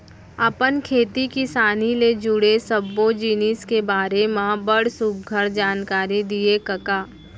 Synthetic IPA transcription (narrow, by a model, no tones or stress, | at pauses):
ɐpənkʰeːt̪ikɪsaːniled͡ʒʊɽesɐbːod͡ʒiːniskebaːɾemãbəɽsʊkɡʱəɾd͡ʒaːnkaːɾid̪iekɐkaː